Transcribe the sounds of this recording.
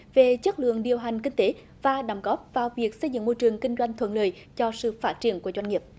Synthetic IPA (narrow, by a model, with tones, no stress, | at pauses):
ve˨˩t͡ɕə˦˥t̚lɨ̰˧˨əŋɗi˨˩əwɦa˨˩jŋ̟kï˧ŋ̟t̪e˨˦ | vaː˨˩ɗə˨˧˩mŋ͡mɣɔ˦˥p̚vaː˨˩wvi˨˩ək̚sə˧jzɨ̰˧˥ŋmo˧jt͡ɕɨ˨˩əŋkï˧ŋ̟zwa˧jŋ̟t̪ʰwə̰˧˨nləː˨˩j | t͡ɕɔ˧sɨ̰˧˨faː˦˥t̚t͡ɕi˧˩ənku˧˩əzwa˧jŋŋi˨˩p̚